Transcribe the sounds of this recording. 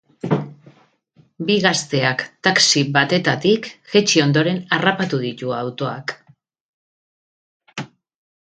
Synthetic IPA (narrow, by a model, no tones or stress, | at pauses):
biɣast̪e̞akt̪aksiβat̪e̞t̪at̪ikʝe̞t͡ʃio̞nd̪o̞ɾe̞narapat̪uð̞it̪uawt̪o̞ak